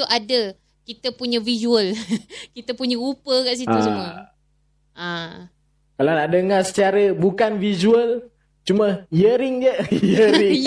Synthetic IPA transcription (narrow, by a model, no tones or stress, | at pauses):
uʔadə | kit̪əpuɲəvizuəlkit̪əpuɲəɾupəkaʔs̬it̪ut͡ʃumə | ʔa | kalawnaʔdəŋarsə̥t͡ʃaɾəbukanvizuəl | t͡ʃuməjəɾɪŋd͡ʒəjəɾiŋ